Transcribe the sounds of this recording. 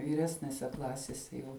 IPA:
ʋʲiːˈrʲæːsʲnʲɛsʲɛ ˈklˠɑːsʲɛsʲɛ jɛʊ

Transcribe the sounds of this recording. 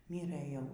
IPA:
ˈmʲiːrɘ ˈjɛʊ

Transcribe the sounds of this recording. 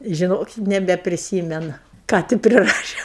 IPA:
ʒʲɪˈnoːk nʲɛbʲɛpʲrʲɪˈsʲiːmʲɛnʊ ˈkɑː tʲɪ pʲrʲɪˈrɑːʃʲeː

